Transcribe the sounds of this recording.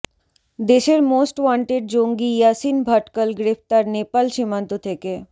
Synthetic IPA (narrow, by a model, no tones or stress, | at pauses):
d̪eʃeɾmoːsʈʋãɳʈeɖ̚d͡ʑoŋɡijasinbʱəʈkəlɡɾepʰt̪aɾnepalʃimant̪ot̪ʰeke